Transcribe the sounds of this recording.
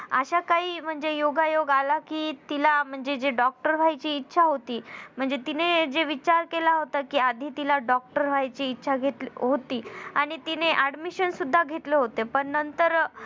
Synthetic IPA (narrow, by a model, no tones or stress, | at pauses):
əɕakaɦiːm̤əɳd͡zejoɡajoɡalakiːt̪ilam̤əɳd͡zed͡zeɖɔk̚ʈəɾʋʱajt͡ɕiːtːɕʰaɦot̪iːm̤əɳd͡zet̪ined͡ʑeʋit͡ɕaɾkelaɦot̪akiːad̪ʱiːt̪ilaɖɔk̚ʈəɾb̤ʱajt͡ɕiːtːɕʰaɡʱet̪lɦot̪iːaɽ̃it̪ineʔaɖmiɕənsud̪ʱːaɡʱet̪leɦot̪epəɳnənt̪əɾ